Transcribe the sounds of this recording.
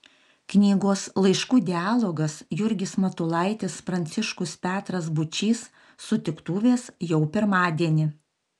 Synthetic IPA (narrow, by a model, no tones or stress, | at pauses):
knʲiːɡoːslˠɐɪʃkuːd̪ʲɪɑːlˠoɡɐsjʊɾʲɡʲɪsmɐt̪ʊlˠɐɪt̪ʲɪspɾɐnʲt̪sʲɪʃkʊspʲæːt̪ɾɐs̬bʊt͡ʃʲiːsː | ʊt̪ʲɪkt̪uːʋʲeːsjɛʊpʲɪɾmɑːd̪ʲiɛnʲɪ